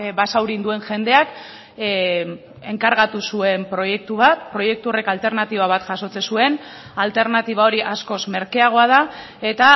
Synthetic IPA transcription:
basawɾind̪ue̞nʝe̞nd̪e̞ak | e̞ŋkaɾɣat̪usue̞mpɾo̞je̞k̚t̪uβat̪̚pɾo̞je̞k̚t̪uo̞re̞kalt̪e̞ɾnat̪iβ̞aβ̞at̪ʝaso̞t͡sesue̞nalt̪e̞ɾnat̪iβ̞ao̞ɾiʔasko̞sme̞ɾke̞aɣ̞o̞aða | e̞t̪a

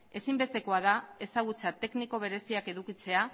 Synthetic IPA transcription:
e̞simbe̞st̪e̞ko̞aðae̞saɣ̞ut͡sat̪e̞kniko̞β̞e̞ɾe̞siake̞ðukit͡se̞a

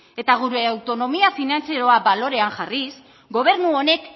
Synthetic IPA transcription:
e̞t̪aɣ̞uɾeawt̪o̞no̞miafinant͡seɾo̞abalo̞ɾe̞aŋʝaris | ɡo̞β̞e̞ɾnuo̞ne̞k

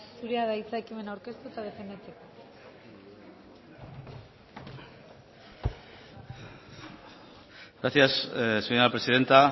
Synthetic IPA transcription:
suɾeaðait͡sajkime̞nawɾke̞st̪ut̪að̞e̞fe̞nd̪et͡se̞ko | ɣɾasiasseɲapɾesiðe̞nt̪a

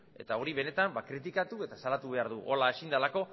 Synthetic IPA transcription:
e̞̰t̪ao̞ɾiβe̞ne̞t̪ambakɾit̪ikat̪ue̞t̪asalat̪uβe̞aɾðuʔolaesind̪alako̞

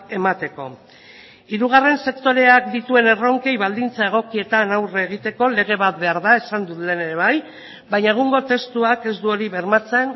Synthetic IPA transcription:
e̞mat̪e̞ko̞ | iɾuɣ̞are̞nse̞kt̪o̞ɾe̞akd̪it̪ue̞ne̞ro̞ŋke̞jβald̪int͡sae̞ɣ̞o̞kie̞t̪anawreːɣ̞it̪e̞ko̞le̞ɣ̞e̞βat̪be̞aɾðae̞sand̪ut̪le̞ne̞ɾe̞βaj | baɲaeɣuŋɡo̞t̪e̞st̪uake̞zd̪uo̞ɾiβe̞ɾmat͡se̞n

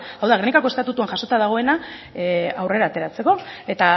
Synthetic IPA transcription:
awðaɣ̞ɾenikako̞est̪at̪ut̪uaŋʝaso̞t̪aðaɣ̞o̞e̞na | awre̞ɾaːt̪e̞ɾat͡se̞ko̞e̞t̪a

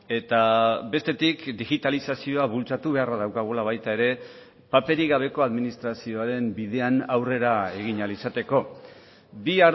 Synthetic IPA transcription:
e̞t̪abe̞st̪e̞t̪ikd̪iɣit̪alisasio̞aβult͡sat̪uβe̞araðawkaɣ̞ulaβ̞ajt̪ae̞ɾe̞ | pape̞ɾiɣaβ̞e̞ko̞aðminist̪ɾasio̞aɾe̞mbiðe̞anawre̞ɾae̞ɣ̞iɲalisat̪e̞ko̞ | bia

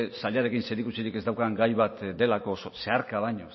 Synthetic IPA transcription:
saʎaɾe̞kinse̞ɾikusiɾike̞zd̪awkaŋɡajβat̪d̪e̞lako̞sose̞aɾkaβajɲo

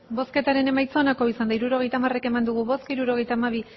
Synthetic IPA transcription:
bo̞ske̞t̪aɾe̞ne̞majt͡so̞nako̞isand̪aiɾuɾo̞ɣ̞e̞jt̪amare̞ke̞mand̪uɣ̞uβo̞skiɾuɾo̞ɣ̞e̞jt̪amaβ̞i

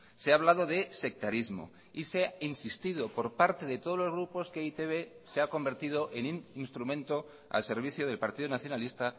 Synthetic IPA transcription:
seaβlað̞o̞ðe̞se̞k̚t̪aɾizmo̞̰ | iseinsist̪iðo̞po̞ɾpaɾt̪e̞ðe̞t̪oð̞o̞zlo̞zɣ̞ɾupo̞skeit̪eβe̞seako̞mbe̞ɾt̪iðo̞ʔe̞nininst̪ɾumẽ̞nt̪o̞ | a̰lse̞ɾβ̞iθjoð̞e̞lpaɾt̪iðonaθjo̞nalist̪a

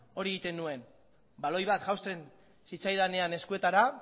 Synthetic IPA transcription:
o̞ɾieit̪e̞nue̞n | balo̞jβ̞at̪ʝawst̪e̞n | sit͡sajðane̞ane̞skue̞t̪aɾa

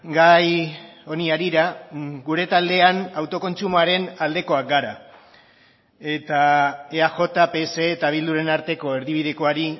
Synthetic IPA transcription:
ɡajo̞niaɾiɾaɡuɾe̞t̪ald̪e̞anawt̪o̞ko̞nt͡ʃumoaɾe̞nald̪e̞ko̞ak̚ɡaɾa | e̞t̪aeaʝo̞t̪ape̞ːse̞ːt̪aβ̞ild̪uɾe̞naɾt̪e̞ko̞eɾðiβ̞iðe̞ko̞aɾi

